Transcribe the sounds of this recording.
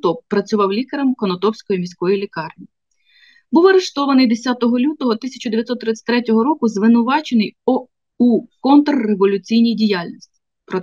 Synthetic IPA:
t̪ɔpːɾɐt͡sʲʊʋɑwlʲikɐɾɐmkɔnɔt̪ɔwsʲkɔjimʲisʲkɔjilʲikɑrnʲi | buwɐɾeʃt̪ɔʋɐnɪjd̪esʲɑt̪ɔɦɔlʲut̪ɔɦɔt̪isʲɐt͡ʃɐd̪eʋjɐt̪sɔt̪ːɾɪt̪ɪ̥tʲt̪ɾɛtʲɔɦɔɾɔkʊzʋɪnʊʋɑt͡ʃenɪj | ukɔnt̪rːeʋɔlʲʊt͡sʲijnʲijdʲijalʲnʲisʲtʲi̥ | pɾɔ

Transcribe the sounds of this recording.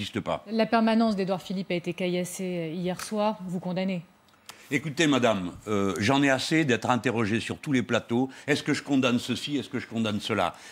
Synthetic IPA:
ist̪əpa̰lapɛʁmanɑ̃sd̪ed̪waʁfilipaet̪ekajaseijɛʁswaːʁvukɔ̃d̪ane | ekut̪emad̪amøʒɑ̃nɛased̪ɛt̪χɛ̃t̪eʁɔʒesyʁt̪uleplat̪oɛskəʒəkɔ̃d̪ansəsiɛskəʒəkɔ̃d̪ansəla̰

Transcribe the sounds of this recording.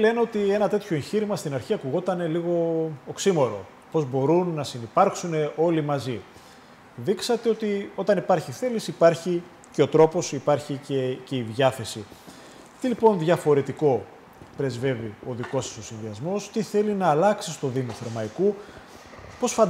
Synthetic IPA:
le̞neo̞t̪ie̞nɐt̪e̞t̪ço̞eɲçiɾimɐst̪inɐɾçiɐkuɣo̞t̪ɐne̞liɣo̞ːksimo̞ɾo̞̰ | po̞zbo̞ɾunːɐsinipɐɾksune̞o̞limɐzi | ðiksɐt̪e̞o̞t̪io̞t̪ɐnipɐɾçiθe̞lisipɐɾçi | ce̞o̞t̪ɾo̞po̞sipɐɾçicece̞iðʝɐθe̞si | t̪ilipo̞nðʝɐfo̞ɾe̞t̪iko̞ | pɾe̞zve̞vio̞ðiko̞sɐ̥so̞sinðiɐzmo̞st̪iθe̞linɐːlɐksist̪o̞ðimoθe̞ɾmɐiku | po̞sfɐ

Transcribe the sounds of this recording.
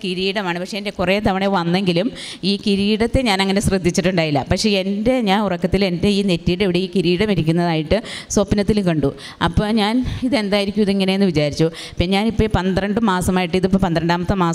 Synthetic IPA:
kiɾiːɽɐmaːɳɨpɐkʂeːnde̞kureːt̪ɐʋɐɳeʋɐnːe̞ŋɡilum | iːkiɾiːɽɐt̪ːe̞ɲaːnɐŋːɐne̞srɨd̪ʱːit͡ɕːiʈːuɳɖaːjilːɐpɐkʂe̞e̞nde̞ɲaːnurɐkːɐt̪ːile̞nde̞iːne̞tːiːɽeʋiɽe̞iːkiɾiːɽɐmiɾikʲːunːɐðaːjiʈːɨsopnɐt̪ːilkɐɳɖu | ɐpːoːɲaːniðe̞nd̪aːjiɾikʲːumɐðiŋːɐne̞jenːɨʋit͡ɕaːɾit͡ɕːu | piɲaːnipːopɐnd̪rɐɳɖɨmaːsɐmaːjiʈːɨiðipːopɐnd̪ɐɾɐɳɖaːmɐt̪ːɨmaːs

